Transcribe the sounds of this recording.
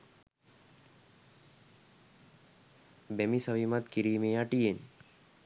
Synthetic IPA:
bæmisaʋimat̪kiɾiːmeːaʈijen

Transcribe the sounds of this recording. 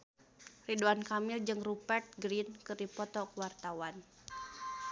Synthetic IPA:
riduankamild͡ʒɨŋrupɛrt̪̚ɡɾinkɨrdipɔt̪ɔkuwart̪awan

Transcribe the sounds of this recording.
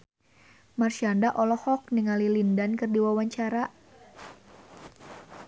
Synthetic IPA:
marʃiandaʔɔlɔhɔk̚niŋalilindankɨrdiwawaɲt͡ʃaɾa

